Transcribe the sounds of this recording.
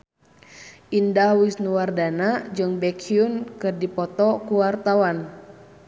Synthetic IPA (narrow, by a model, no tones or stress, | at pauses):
ʔindahwisnuwardanad͡ʒɨŋbɛkʰiunkɨrdipɔt̪ɔkuwart̪awan